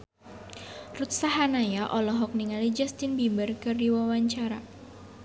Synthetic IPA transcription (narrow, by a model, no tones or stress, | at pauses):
rut̪̚saɦanajaʔɔlɔɦɔk̚niŋalid͡ʒast̪ɪnbimbərkɨrdiwawaɲt͡ʃaɾa